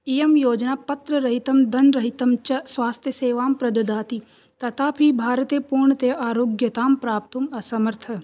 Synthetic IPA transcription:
ijɐmjoːd͡ʒnaːpɐt̪ɾəɾɐɦit̪ɐmd̪ɐnɾɐɦit̪ɐmt͡ʃɐsʋaːst̪ʰjəseːʋaːmpɾɐd̪ɐd̪aːt̪i | t̪ɐt̪ʰaːpʰibʱaːɾət̪eːpuːɾɳət̪eːʔaːɾoːɡjɐt̪aːmpɾaːp̚t̪umɐsɐməɾt̪ʰɐ

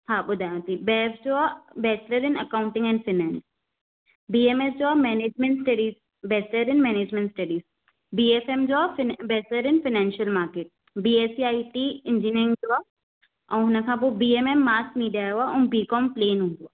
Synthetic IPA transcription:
tʰaːbʊd̪ʱaːjãt̪ibɛːfd͡ʒoabɛːsɾəɾɪnɐkaːʊ̃ɳʈɪ̃ŋɡɛ̃ɳɖfʰɪnɛːns | biːemesd͡ʒoamɛːneːd͡ʒmẽɳʈsʈɐɖiːz | bɛːsəɾɪnmɛːneːd͡ʒmɛ̃ɳʈsʈɐɖiːz | biːefemd͡ʒoabɛːsəɾɪnfɪnɛːnʃəlmaːɾkeːʈ̚ | biːeːsiaːiʈ̪iɪ̃nd͡ʒinəɾɪ̃ŋɡd͡ʒoa | ãɦʊnakʰãːbobiːememːaːskmiːɖiaɛaʊ̃mbiːkɔmpleːnɦũnd̪oaː

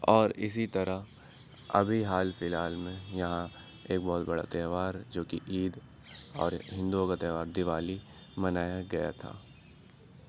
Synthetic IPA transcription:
ɔːɾɪs̬it̪ɐɾa | ɐ̰bʱiɦaːlfɪlaːlmẽjɐɦã | eːk̚bɔːt̪bɐɽa̰t̪ɛːʋaːɾd͡ʒoːkiʔiːd̪ | ɔ̰ːɾɦɪ̃nd̪uokat̪ɛːʋaːɾd̪ɪʋaːli | mɐnaːjaɡɐja̰t̪ʰa̰ː

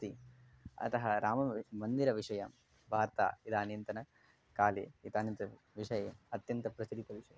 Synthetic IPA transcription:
t̪i | ɐ̰t̪ɐɦɐɾaːmɐmɐnd̪iɾɐʋiʂɐjɐm | bʱaːɾt̪a̰ːit̪aːnjɐnt̪ɐnɐ | kaːlḛːit̪aːnjɐnt̪ɐ | ʋiʂɐjeːɐt̪jɐnt̪ɐpɾɐsid̪it̪ɐʋiʂɐjɐ

